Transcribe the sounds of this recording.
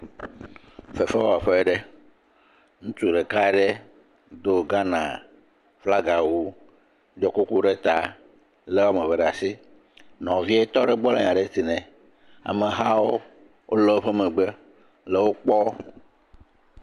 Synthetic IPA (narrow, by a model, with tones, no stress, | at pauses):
fe˨fe˦wo˦a˨ɸe˦e˦ɖe˦ | ŋũ˦t͡ʃu˨ɖɛ˨ka˦ɛ˦ɖe˦ | d̪o˦ɡa˦nã̰˨ | fla˦ɡa˨wu˦ | d͡ʒɔ˦ku˦ku˦ɖe˦t̪a̰˨ | le˦wa˦mẽ˨vɛ˨ɖa˨si˦ | nɔ̃˨vi˦e˦t̪ɔ˦ɖɛ˦ɡ͡bɔ˦lḛ˨ɲã˨ɖe˦t̪i˨nɛ̃˨ | a̰˨me˨ɦa˦wo˦ | wʔo˦le˦ɸe˦mɛ̃˨ɡ͡be˦ | le˨wo˦k͡pɔ˦